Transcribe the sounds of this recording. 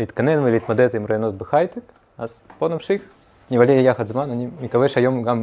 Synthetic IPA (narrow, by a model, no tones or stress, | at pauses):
it̪kɐnɛnvɨlʲit̪mɐd̪ɛt̪ɨimɾɐɐnozbɨxajt̪ɨk | asponɐpʂɨx | nʲɪvɐlʲeɾʲijaxɐt̪zmanɐnʲimʲɪkɐvɛʃɐjomɡam